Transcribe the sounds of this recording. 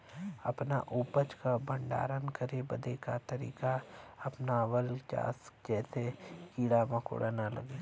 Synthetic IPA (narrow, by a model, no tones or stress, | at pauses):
ɐpnaʔuːpət͡ʃkabʱə̃ɳɖa̰ːɾənkəɾebɐd̪ekat̪əɾḭːkaɐpnawəlt͡ʃa̰ːsd͡ʒɛːsekiːɽamãko̰ɽanalɐ̰ɡeː